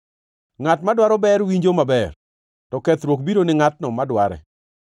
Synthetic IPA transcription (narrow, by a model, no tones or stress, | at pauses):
ŋatmadwaɾɔbɛɾwiɲd͡ʒomabɛr | tɔkɛt̪ɾwokbiɾonɪŋat̚nɔmadwaɾɛ̰